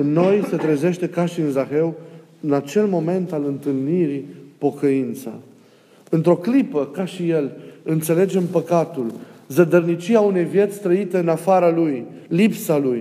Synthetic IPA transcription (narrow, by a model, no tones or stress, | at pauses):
ɨnːo̞jse̞t̪ɾeze̞ʃt̪e̞kaʃiɨnzaxe̞w | ɨnat͡ʃe̞lmo̞me̞nt̪alɨnt̪ɨlniɾipo̞kəint̪sa̰ | ɨnt̪ɾo̞klipəkaʃije̞lɨnt̪se̞le̞d͡ʒe̞mpəkat̪ulzəd̪ərnit͡ʃiaune̞jvje̞t̪sʲst̪ɾəit̪e̞ɨnafaɾalujlipsaluj